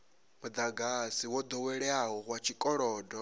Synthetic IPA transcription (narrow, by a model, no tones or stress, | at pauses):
mud̪aɡasiwɔd̪ɔwɛɺɛaɦɔɦwat͡ʃʰikʼɔɺɔːdɔ